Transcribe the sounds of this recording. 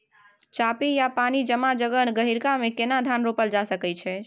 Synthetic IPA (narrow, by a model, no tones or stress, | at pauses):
t͡ʃapijapanid͡ʒəmad͡ʒəɡənɡəɦiɾkamekenad̪ʱanɾopəld͡ʒasəkɛt͡ʃʰɛ